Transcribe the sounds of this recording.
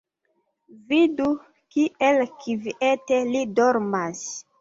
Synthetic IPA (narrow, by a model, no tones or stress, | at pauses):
vidu | kiʔelkʰiviʔetelidoɾmas